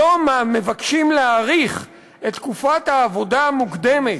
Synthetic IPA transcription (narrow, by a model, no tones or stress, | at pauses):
omame̞vakʃimleaʁiχ | et̪ːkufathaːvo̞daːmukd̪e̞me̞